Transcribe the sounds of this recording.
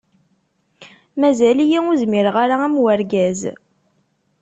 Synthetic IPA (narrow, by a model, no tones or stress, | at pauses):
mæzælijiʊzmɪɾʁaɾaæmwəɾɡæz